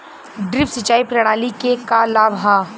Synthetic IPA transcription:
ɖɾɪfsɪt͡ʃaːipɾɐɽ̃aːlikekalaːbɦaː

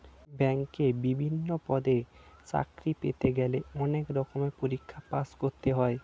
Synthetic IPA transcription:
bɛŋkebibʱinːopɔd̪et͡ɕa̰kɾipḛt̪eɡɛleɔnekɾɔkomepoɾikʰːapaskoɾt̪eɦɔe

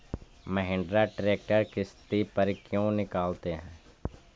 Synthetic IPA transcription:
məɦɪ̃ːɳɖɾaʈɾeːk̚ʈəɾkɪst̪ipəɾkjõːnɪkaːlt̪eɦɛ̃ː

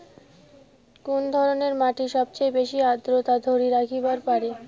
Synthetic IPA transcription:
kund̪ʱɔɾoneɾmaʈiʃɔbt͡ɕajbeʃiad̪ɾot̪ad̪ʱoɾiɾakʰibaɾpaɾe

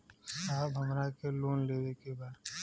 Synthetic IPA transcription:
saːbɦɐmɾakeloːnleːd̪ekebaːd̪

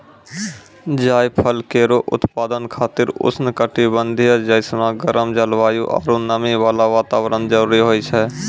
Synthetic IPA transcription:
d͡ʒaːjpʰəlkeːɾoʔʊ̰t̪paːd̪ənkʰaːt̪ɪɾʊ̰snɪkəʈibənd̪ʱijəd͡ʒəɪsnaɡəɾəmd͡ʒəlʋaːjuʔa̰ːɾunəmiʋaːlaʋaːt̪aːʋɾənd͡ʒəɾuːɾiɦoːit͡ʃʰɛː

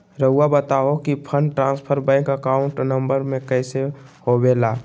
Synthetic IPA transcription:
ɾəɦʊabət̪aɦokipʰəɳɖʈɾãːnspʰəɾbɛ̃ɪŋkəkaʊ̃ɳʈnəmbəɾmẽkɛɪsehobeːlaː

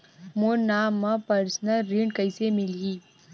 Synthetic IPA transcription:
monaːmːɐpɐɾsnəlɾiɳɖkəɪsemɪlɦiː

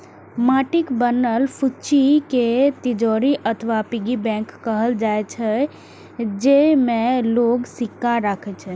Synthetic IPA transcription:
maʈikbənəlpʰut͡ʃiket̪id͡ʒɔɾiʔət̪ʰʋapiɡibɛ̃ŋkːəɦəld͡ʒaet͡ʃʰɛ | d͡ʒemẽloɡsikːaɾakʰɛt͡ʃʰɛ

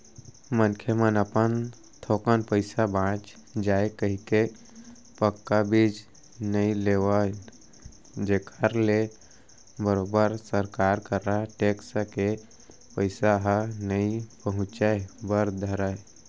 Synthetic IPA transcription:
mənkʰəmənəpən | t̪ʰokənpəɪsabãt͡ʃ | d͡ʒaekəɦike | pəkːabid͡ʒ | nəĩleʋə | d͡ʒekʰəɾle | bəɾobəɾsəɾkaɾkəɾaʈeksəke | pəɪsaɦənəĩpəɦʊ̃t͡ʃaebəɾd̪ʱəɾəj

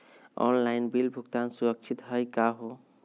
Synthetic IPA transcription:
ɔ̰nlainbilbʱukt̪ansuɾək̚t͡ʃʰit̪ɦəjkaɦo

